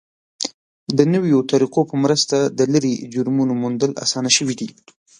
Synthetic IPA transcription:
d̪ənəwjot̪aɾiqopəmɾəst̪ad̪ələɾid͡ʒʊɾmunomund̪əla̰sɑnaʃəwid̪i

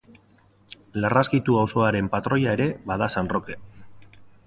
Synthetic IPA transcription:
laraskit̪uawso̞aɾe̞mpat̪ɾo̞jae̞ɾe̞βaðasanro̞ke̞

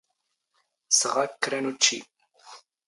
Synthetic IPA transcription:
səʁakːɾɐnut͡ʃʰːḭ

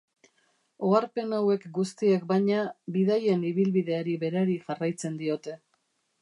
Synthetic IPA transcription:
o̞aɾpe̞nawe̞kɡust̪ie̞kbajɲabiðaje̞niβilβiðe̞aɾiβe̞ɾaɾiʝarajt͡se̞nd̪io̞t̪e̞

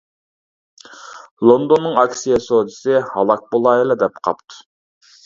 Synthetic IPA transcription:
lˠond̪onːɨŋɑksijɑsod̪iɪsɪhɑlˠɑk̚bolˠɑjilˠɑd̪ɛp̚qʰɑ̰pt̪ʰu̥

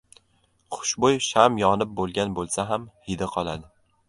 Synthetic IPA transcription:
χʰʊ̥ʃbojʃamjɒnɪp̚bolˠɡʲanbolˠsaɦamhɪd̪ɪqʰɒlˠad̪ɪ

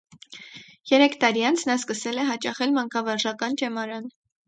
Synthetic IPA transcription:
jɛɾɛkʰt̪ɑɾiɑnt͡sʰnɑskəsɛlɛɦɑt͡ʃɑχɛlmɑŋkʰɑvɑɾʒɑkɑnt͡ʃɛmɑɾɑn

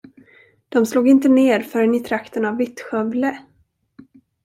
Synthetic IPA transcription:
d̪̥ɔmsluːɡɪnt̪əneːɾfœɾɛnɪt̪ʰɾakt̪ənavːɪt̪ɧœvlə

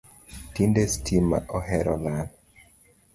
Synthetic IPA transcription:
tindestʰima̰ʔohɛɾʔɔlan

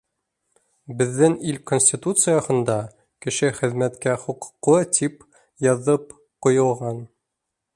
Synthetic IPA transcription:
bɘ̆ðːɘnilkonsʲtʲit̪ut̪sɨjɑhɤ̆nd̪ɑ | kɘ̆ʃɘχɘ̆ðmæt̪kæχuq̆qːˠɤt̪ʰip | jɑðɤp | qŏjɤ̆lˠʁɑn

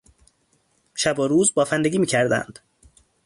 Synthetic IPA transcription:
ʃæboɾuːzbɒːfænd̪eɡʲiːmiːcʰæɾd̪æ̰nd̪̥

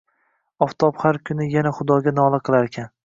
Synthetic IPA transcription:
ɒft̪ʰɒphaɾkʲʰʊnɪjanaχʊd̪ɒɡʲanɒlˠaqʰɨlˠaɾekʲʰan

